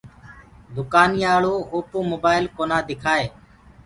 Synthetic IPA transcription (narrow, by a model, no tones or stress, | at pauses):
d̪ʊkaːnɪjaːɭoːoːpoːmoːbaːɪlkoːnaːd̪ɪkʰaːeː